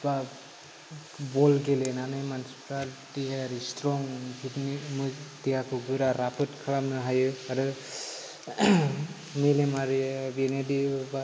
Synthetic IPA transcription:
ba | bɔlɡelenanajmanspɾaltiɦeaɾistɾɔŋɡitnimɯdijakʰɯɡɯɾaɾapʰɯtkʰɯlamnɯɦajɯaɾɯ | milemaɾibenediba

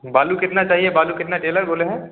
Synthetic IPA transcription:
baːlukɪt̪nat͡ʃaːɦiebaːlukɪt̪naʈeːləɾboːleɦɛ̃ː

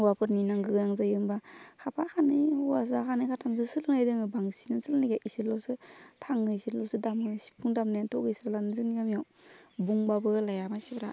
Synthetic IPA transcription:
wapʰɯɾninaŋɡɯɡɯnaŋzajɯmbakʰapʰakʰanɯwasakʰanɯkʰatʰamzɯsɯlɯŋnajdɯŋɯbaŋsinasɯlɯniɡaʔisiɾlɔwsɯtʰaŋɯsiɾlɔwsɯdamɯsi̥pʰuŋdamnajantʰɔɡɯjsiɾalanɯzɯniɡamijaw | buŋbabɯlajamasibɾa

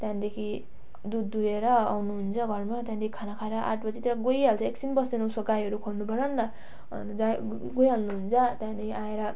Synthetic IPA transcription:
t̪jãd̪ekʰi | d̪ud̪ːuɾeɾʌa̰wnuɦunt͡sʰʌɡʱʌrmat̪jãnd̪ekʰi̥kʰanakʰaeɾʌʔa̰ʈ̚ʰbʌd͡zit̪eɾaɡojalt͡sʰʌekt͡sinbʌsenowsʌɡajʌɾukʰolnubʱʌɾʌnt̪ʌ | d͡za | ɡojɦalnuɦunt͡sʰʌt̪jãd̪ekʰiaeɾʌ

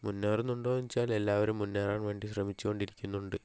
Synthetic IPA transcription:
munːeːrnuɳɖoːɲit͡ɕːaːle̞lːaːʋɐɾumːunːeːraːɳʋe̞ːɳɖiɕrɐmit͡ɕːuɣo̞ɳɖiɾikʲːunːuɳɖɨ

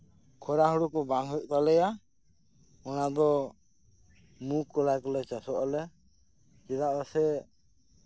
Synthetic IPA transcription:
kʰɔɾaɦɔɽukɔbaŋɦɛʔt̪alɛja | ɔnad̪ɔ | mukːɔlajkɔlɛt͡ʃasɔʔɔlɛ | t͡ʃɛd̪aʔasɛ

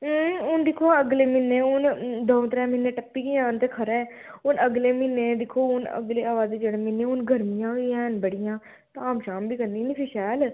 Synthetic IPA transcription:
ʊnd̪ɪkʰoːaəɡleːmɪnːeːʊnd̪õːt̪ɾɛ̃ːmɪnːeːʈəpːiːkiãːnt̪eːkʰəɾɛ̃ː | ʊnəɡleːmɪnːeːd̪ɪkʰoːʊnə̰ɡleːaːʋaːzeːd͡ʒəɽeːmɪneːʊnɡʱəɾmijãːɦʊiɛ̃ːnbəɽɪjãː | t̪aːmʃaːmbʱiːkəɾniːnipiʃɛːl

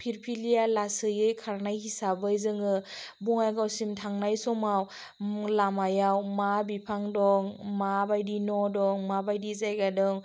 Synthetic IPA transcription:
pʰiɾpʰilijalasɯjɯjkʰaɾnajhisabɯjzɯŋɯbuŋajɡawsimtʰaŋnajsɔmaw | lamajawmabipʰaŋdɔŋmabajdinɔdɔŋmabajdizajɡadɔŋ

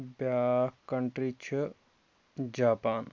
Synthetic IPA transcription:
bjakkːɐɳʈɾit͡ʃʰi | d͡ʒaːpaːn

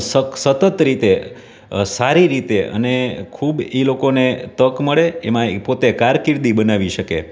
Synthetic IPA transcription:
səksət̪ət̪ɾit̪e | saɾiɾit̪eʔə̰nekʰubilokonet̪əkməɭeemãpot̪ekaɾkɪɾd̪ibənaʋiʃəkḛ

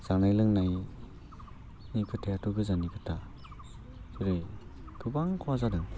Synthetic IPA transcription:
z̥aŋnajlɯŋnaj | nikʰɯtʰejatɔɡɯzanikɯtʰa | sɯɾɯjkʰɯbaŋkʰɔwazadɯŋ

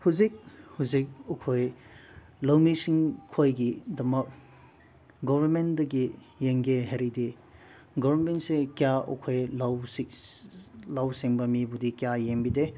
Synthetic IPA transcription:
huzik̚huzik̚ukʰoj | lɐwmisiŋkʰojɡidɐmɐk̚ | ɡɔbʱɐnmendɐɡi | jeŋɡeɦeɾidi | ɡɔbɐnmentsekjaṵkʰojlaws | lawsiŋbɐmibudikijajembide

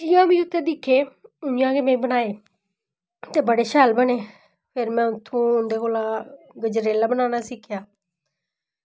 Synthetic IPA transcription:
jãːbĩːʊt̪ʰːẽːd̪ɪkʰːeːʊnjãːkeːmɛ̃ːĩːbənaːeː | t̪eːbəɽeːʃaːlbəneː | pʰɪɾmɛ̃ːʊt̪ʰːũːʊnd̪eːkoːlaː | ɡəd͡ʒɾeːlaːbənaːnaːsɪkʰːjaː

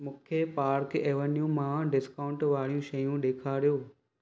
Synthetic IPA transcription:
mʊkʰjepaːɾkeːʋənijũmãɖɪskaːʊ̃ɳʈʋaːɭ̤ijũʃɐjũɗeːkʰaːɾijoː

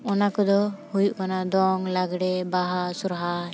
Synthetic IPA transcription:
ɔnakɔd̪ɔhujuʔkanad̪ɔŋlaɡɽɛbaɦasuɾɦa

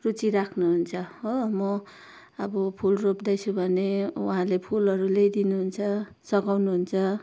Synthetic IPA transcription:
rut͡siɾakʰnuɦunt͡sʰʌɦomʌ | ʌbʌpʰulropd̪ajt͡sʰũbʱʌnewaɦãlepʰulɦʌɾulejd̪inuɦunt͡sʰʌ | sʌɡawnuɦunt͡sʰʌ

